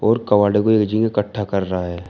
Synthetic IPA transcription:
ɔːɾkɐʋaːɽekoeːkd͡ʒɪ̃ŋɡekəʈʰːakɐɾːɐɦaɦɛː

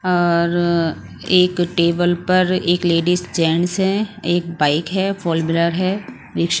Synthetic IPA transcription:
ɔːɾ | eːkʈeːbəlpɐɾeːkleːɖisd͡ʒɛːnsɦɛ̃eːk̚baːɪkɦɛːfɔːlmjʊləɾɦɛː | ʋɪkʃ

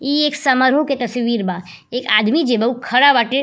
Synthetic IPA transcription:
ieːksɐməɾɦoket̪ɐsʋiːɾbaː | eːkaːd̪mid͡ʒebɐukʰɐɽaʋaʈe

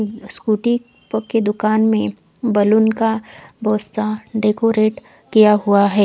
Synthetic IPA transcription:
skuːʈi | pked̪ʊkaːnmẽ | bɐlʊnkabɔːt̪saɖeːkoːɾeːʈ | kijaɦuaɦɛː

